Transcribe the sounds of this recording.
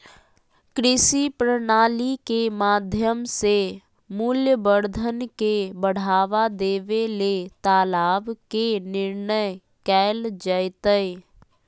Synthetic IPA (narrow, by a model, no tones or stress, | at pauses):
kɾɪsipɾənaːlikemaːd̪ʱjəmse | mʊljəbəɾd̪ʱənkebəɽ̤aːʋad̪eːʋelet̪aːlaːbkenɪɾɳəj | kɛːld͡ʒəɪt̪ə